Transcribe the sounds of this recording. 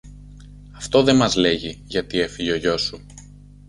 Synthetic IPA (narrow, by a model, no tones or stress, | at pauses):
ɐft̪o̞ðe̞mɐzle̞ʝiʝɐt̪ie̞fiʝeoʝo̞su